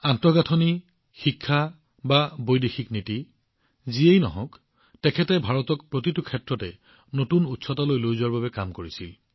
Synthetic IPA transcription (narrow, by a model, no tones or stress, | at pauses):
antɔɡatʰɔni | xikʰːa | babojdexʰikniti | ziejnɔ̰ɦɔ̰̃k | tɛkʰɛtɛbʱaɹɔtɔkpɹotitukʰɛtɹɔtɛ | notunutsɔtalojlojzʊwaɹbabɛkamkoɹisḭl